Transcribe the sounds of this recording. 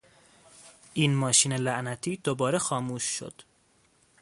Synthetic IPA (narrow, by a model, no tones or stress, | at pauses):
ʔiːnmɒːʃiːnelæʔnæt̪ʰiːd̪obɒːɾexɒːmuːʃːo̞̰d̪̥